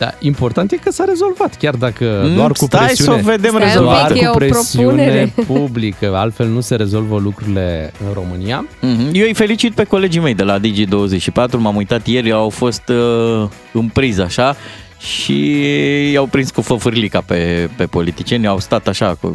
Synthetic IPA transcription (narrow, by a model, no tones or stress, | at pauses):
d̪̥a̰impo̞rt̪ant̪jekəsaɾe̞zo̞lvat̪kʲard̪akəd̪oarskupt̪ɾeajisuove̞d̪emɾezolvanəupɾepɾosiuneepublikəalt̪fe̞lnuse̞ɾe̞zo̞lvəlukɾuɾile̞ɨnro̞mɨniaɦm̩jejfe̞lit͡ʃit̪̚pe̞ko̞le̞d͡ʒijme̞jd̪e̞lad̪id͡ʒid̪o̞wːəze̞t͡ʃʃipat̪ɾumamujt̪at̪je̞rʲawfo̞st̪ | ɨmpɾizaʃa | ʃḭ | jawpɾinskufəfɨrlikape̞pe̞po̞lit̪i̥t͡ʃie̞nawst̪at̪aʃakṵ